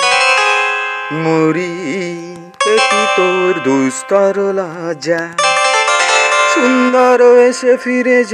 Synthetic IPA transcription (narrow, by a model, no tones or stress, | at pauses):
moɾi | t̪ekit̪oɾd̪ujst̪ɔɾlad͡ʒa | sind̪ɔɾoesepʰiɾed͡ʒ